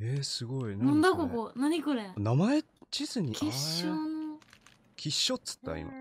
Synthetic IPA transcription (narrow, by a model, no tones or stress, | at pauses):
esɨɡo̞innõnd̪akokonaɲ̟ikoɾenamae | t͡ɕisɨɲ̟ikʲiɕono | kʲʰiɕːot͡sɨ̥t̪ːa̰ḭma̰